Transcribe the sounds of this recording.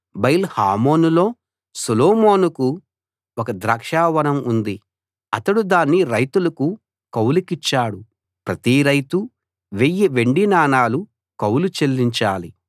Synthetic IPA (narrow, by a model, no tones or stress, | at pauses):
bɐjilhaːmo̞ːnulo̞ː | suloːmo̞ːnuku | ɔkɐd̪ɾaːkʂaːʋɐnɐmund̪i | ɐt̪ɐɽud̪aːnːiɾɐjt̪ulɐku | kɐwlikit͡ʃːaːɽu | pɾɐt̪iɾɐjt̪u | ʋejːiʋe̞ɳɖinaːnaːlu | kɐwlut͡ʃelːiɲt͡ʃaːli